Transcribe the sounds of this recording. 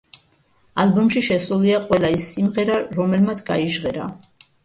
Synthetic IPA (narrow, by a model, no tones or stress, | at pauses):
albɔmʃiʃɛsuliaqʼwɛlaisːimʁɛɾaɾɔmɛlmat̪sʰɡa̰iʒʁɛɾa̰